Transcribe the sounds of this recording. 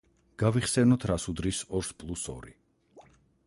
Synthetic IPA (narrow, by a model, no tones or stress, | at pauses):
ɡ̥aviχsɛnɔt̪ʰɾasud̪ɾisɔɾspʼlˠusɔ̰ɾḭ